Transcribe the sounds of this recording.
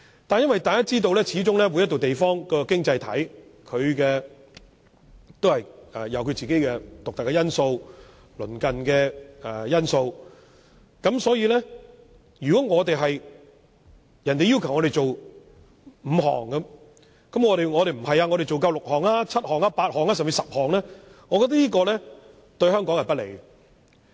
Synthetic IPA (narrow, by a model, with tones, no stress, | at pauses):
t̪a˨njɐ˥nwɐ˨jt̪aː˨kaː˥t͡siː˥t̪o˧wlɛː˥t͡sʰiː˨˥t͡ʃʊ˥ŋlɛː˥wu˨˧jɐ˥t̪o˨wt̪e˨jfɔː˥ŋkɔː˧˥kɪ˥ŋt͡sɐ˧jt̪ʰɐ̰˨˥jkʰɵ˨˧ɥkɛː˧ | t̪o˥whɐ˨jɛ˨jɐ˨˧wkʰɵ˧ɥt͡siː˨ke˨˥jkɛ˧t̪ʊ˨k̚t̪ɐ˨kːɛ˧jɐ˥nso˧w | lɵ̰˨˩nkɐ˨nkɛː˧ɛ˨jɐ˥nso˧w | kɐ˨˥msɔː˨˥jiː˧lɛː˥ | jyː˨kɔː˨˥ŋɔː˨˧t̪e˨jɦɐ˨j | jɐ˨˩nt̪e˨ji˥wkʰɐ˨wŋɔː˨˧ɾe˨jt͡ʃo˨w | m̩ː˨˧ɦɔ̰ː˨˩ŋkɐ˧ | kɐ˨˥mŋɔː˨˧ɾe˨jŋɔː˨˧e˨jm̩˨˩hɐ˨jaː˧ŋɔ˨˧ɾe˨jt͡ʃo˨wkɐ˧wlʊ˨k̚hɔː˨˩ŋaː˥t͡sʰɐ˥t̚hɔː˨˩ŋaː˧˥paː˧t̚hɔː˨ŋaː˥sɐ˨mt͡si˧sɐ˨p̚hɔː˨˩ŋlɛː˥ŋɔː˨˧kɔː˧t̪ɐ˥liː˥kɔː˧lɛː˥ | t̪ɵ˧ɥhœː˥ŋkɔː˨˥ŋhɐ˨˩pɐ˥t̚lḛ˨˩j